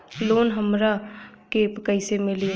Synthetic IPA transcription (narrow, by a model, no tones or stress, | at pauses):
loːnɦəmɾa | kepkəɪsemɪli